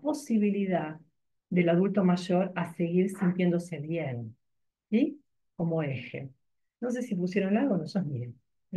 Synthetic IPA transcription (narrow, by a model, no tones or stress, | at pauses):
po̞siβ̞iliða | ðe̞laðult̪o̞maʒo̞ɾase̞ɣiɾsint̪je̞nd̪o̞se̞βjen | si | ko̞moexḛ | nos̬e̞sip̬us̬jeɾonalɣonosami